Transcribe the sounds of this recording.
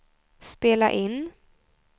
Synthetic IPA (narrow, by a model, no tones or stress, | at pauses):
speːla̰ʔɪnː